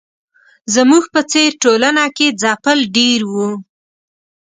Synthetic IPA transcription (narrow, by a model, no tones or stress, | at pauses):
zəmuɡpət͡seɾʈolanaked͡zɑpəlɖeɾwu